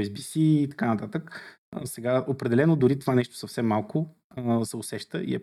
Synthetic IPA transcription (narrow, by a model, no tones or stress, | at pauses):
ɛsbisiːt̪ɐ̥kanɐt̪at̪ək | sɛɡaopɾɛd̪ɛlɛnod̪ʊɾit̪ovanɛʃt̪o̥sɐfsɛmːalˠkʊ | sɛʊsɛʃt̪əʔḭɛ̰